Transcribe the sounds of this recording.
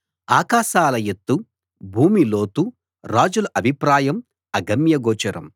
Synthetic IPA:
aːkaːʃaːlɐjet̪ːu | bʱuːmilo̞ːt̪u | ɾaːd͡ʒulɐʔɐbʱipɾaːjɐm | ɐɡɐmjɐɡɔːt͡ʃɐɾɐm

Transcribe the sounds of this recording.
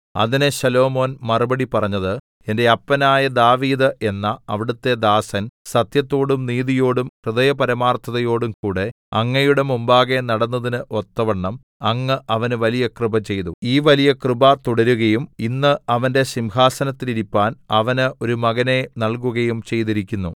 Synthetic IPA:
ɐ̰ðineɕɐlo̞ːmo̞ːnmɐrɨbɐɽipɐrɐɲːɐðɨ | e̞nde̞ɐpːɐnaːjɐd̪aːʋiːðɨʔe̞nːɐɐʋiɽut̪ːe̞d̪aːsɐnsɐt̪jɐt̪ːo̞ːɽumniːðijo̞ːɽumkrɨðɐjɐpɐɾɐmaːrt̪ʰɐðɐjo̞ːɽumkuːɽe̞ | ɐ̰ŋːɐjuɽemumbaːɣenɐɽɐnːɐðinɨʔo̞t̪ːɐʋɐɳːɐm | ɐŋːɨʔɐʋɐnɨʋɐlijɐkrɨbɐt͡ɕe̞jt̪uiːʋɐlijɐkrɨbɐt̪uɽɐɾuɣɐjuminːɨɐʋɐnde̞ɕimɦaːsɐnɐt̪ːiliɾipːaːnɐʋɐnɨo̞ɾumɐɣɐne̞nɐɭkuɣɐjumt͡ɕe̞jt̪iɾikʲːunːu

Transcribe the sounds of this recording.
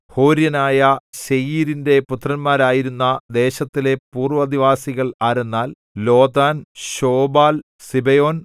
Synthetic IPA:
ho̞ːɾjɐnaːjɐɕejiːɾinde̞put̪ːrɐnmaːɾaːjiɾunːɐd̪e̞ːɕɐt̪ːile̞puːrʋɐd̪iʋaːsiɣɐɭaːɾenːaːl | lo̞ːd̪aːnɕo̞ːbaːl | sibɐjo̞ːn

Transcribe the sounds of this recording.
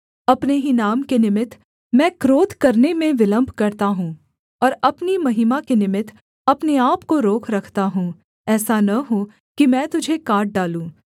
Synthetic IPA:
ɐpneɦinaːmkenɪmɪt̪ʰ | mɛ̃ːkɾoːt̪kɐɾnemẽʋɪlə̃mbʱkɐɾt̪aɦũː | ɔːɾɐpnimɐɦimakenɪmɪt̪ʰ | ɐpneaːpkoɾoːkʰɾɐkʰt̪aɦũː | ɛːsanɐɦũ | kimɛ̃ːt̪ʊd͡ʒʱekaːɾʈ̚ɖaːlũː

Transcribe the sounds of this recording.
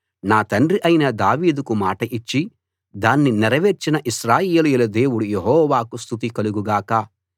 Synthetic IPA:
naːt̪ɐnɖriʔɐjinɐd̪aːʋiːd̪ukumaːʈɐʔit͡ʃːi | d̪aːnːinɛɾɐʋe̞ːɾt͡ʃinɐʔiʃɾaːjeːlujilɐd̪e̞ːwuɽujeɦɔːʋaːkust̪ʰut̪̬ikɐluɡuɡaːkɐ

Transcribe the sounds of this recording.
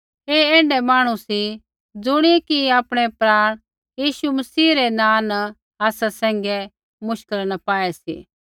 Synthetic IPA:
eːɛ̃ːɳɖɛmaːɽ̃ũsi | d͡zʊɽ̃ikiaːpɽ̃ɛpɾaːɽ̃ | jiːʃumɐsiːɾenãːnɐ | aːsasɛ̃ːŋ̆ɡɛ | mʊʃkəlnɐpaːɛsḭː

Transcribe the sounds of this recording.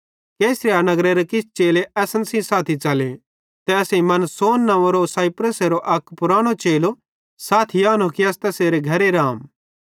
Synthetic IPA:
keːsɾijaːnɐɡɾeɾekɪst͡ʃeːleʔɛːsənsĩsaːt̪ʰit͡ʃɐle | t̪ɛɐsẽĩmɐnsoːnːɐ̃ʋoɾosaːɪpɾəseɾoʔɐkpʊɾaːɽ̃ot͡ʃeːlo | saːt̪ʰijaːnokiɐst̪ɛseːɾeɡʱɐɾeɾaːm

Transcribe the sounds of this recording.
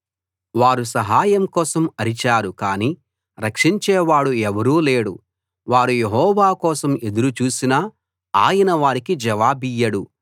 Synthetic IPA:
ʋaːɾus̬ɐɦaːjɐmkɔːsɐmɐɾit͡ʃaːɾukaːniː | ɾɐkʂiɲt͡ʃɛːʋaːɽuɛʋɐɾuːleːɽṵ | ʋaːɾujeɦɔːʋaːkɔːsɐme̞d̪uɾut͡ʃuːsinɐ | aːjɐnɐʋaːɾikid͡ʒɛʋaːbijːɐɽu

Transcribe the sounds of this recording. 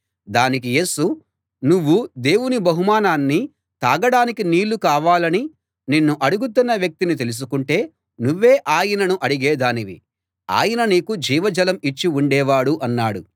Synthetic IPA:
d̪aːnik̬ije̞ːsu | nuʋːud̪e̞ːwunibɐɦumaːnaːnːi | t̪aːɡɐɽaːnikiniːlːukaːʋaːlɐni | ninːuʔɐɽuɡut̪̬unːɐʋjɐk̚t̪init̪e̞lus̬ukuɳʈe̞ː | nuʋːe̞ːʔaːjɐnɐnuʔɐɽuɡɛːd̪aːniʋḭ | a̰ːjɐnɐniːkud͡ʒiːʋɐd͡ʒɐlɐmit͡ʃːiuɳɖɛːʋaːɽuʔɐnːaːɽu

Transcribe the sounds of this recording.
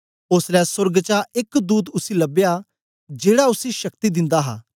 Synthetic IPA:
ʊslɛːsʊɾɡt͡ʃaʔɪkd̪uːt̪ʊsiːləbejaː | d͡ʒeːɽaʊsiʃəkt̪id̪ɪ̃nd̪aːɦa̰ː

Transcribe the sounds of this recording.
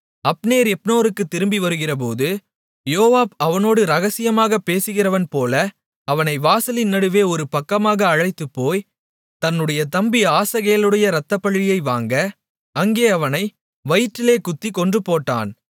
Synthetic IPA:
ɐpneːɾɛpnoːɾɯkːɯt̪ːɪɾɯmbiʋɐɾɯɣɪrɐp̬oːðɯ | joːʋaːbɐʋɐnoːɽɯɾɐɣɐsɪjɐmaːɣɐpːeːsɯɣɪrɐʋɐnpoːlɐ | ɐʋɐnɐɪʋaːsɐlɪnːɐɽɯʋeːɔɾɯpɐkːɐmaːɣɐːɻɐɪt̪ːɯpːoːj | t̪ɐnːɯɽɐjɐt̪ɐmbiaːsɐɣeːɐlɯɽɐjɐɾɐt̪ːɐpːɐɭːɪjɐɪʋa̰ːŋɡɐː | ŋɡeːɐʋɐnɐɪ | ʋɐjɪʈːɪleːkʊt̪ːikːɔndrɯpoːʈːa̰ːn

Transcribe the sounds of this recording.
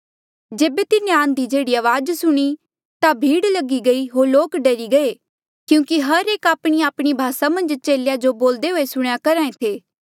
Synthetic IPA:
d͡ʒeːbet̪ɪnːẽãːnd̪id͡ʒeːɽiaːʋaːd͡ʒsʊɽ̃i | t̪abʱiːɽlɐɡiɡɐiɦoːɾloːkɖɐɾiɡɐe | kjũːkiɦɐɾeːkaːpɽ̃iaːpɽ̃ibʱaːsamɐ̃nd͡ʒt͡ʃeːljad͡ʒoboːld̪eɦoːesʊɽ̃jakɐɾãːẽt̪ʰeː

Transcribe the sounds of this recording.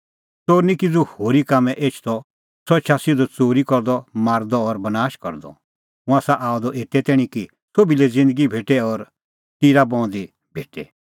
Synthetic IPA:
t͡soːɾnikid͡zuhoːɾikaːmɛ̃ʔeːt͡ʃʰt̪ɔ | sɔt͡ʃʰasɪd̪ɔt͡soːɾikɔɾd̪ɔmaːɾd̪ɔːɾbɐnaːʃkɔɾd̪ɔ̰ | ɦʊ̃ãsaʔaːɔd̪ɔʔeːt̪ɛt̪ɛːɽ̃ĩki | sobilɛd͡zɪ̃nd̪əɡibʱeːʈɛɔɾ | t̪iɾabɔ̃ːd̪i | bʱeːʈɛ

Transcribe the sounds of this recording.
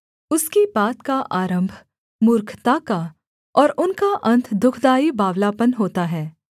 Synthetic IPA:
ʊskibaːt̪kaʔaːɾə̃mbʱ | mʊɾkʰt̪aːka | ɔːɾʊnkaʔɐ̃nt̪ʰd̪ʊkʰd̪aːibaːʋlaːpənɦoːt̪aɦɛː

